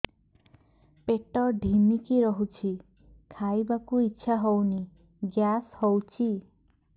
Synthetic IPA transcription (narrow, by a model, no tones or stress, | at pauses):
peʈɔɖʱinikiɾɔɦut͡ʃʰi | kʰajbakuitːʃʰaɦɔwni | ɡjashɔwt͡ʃʰi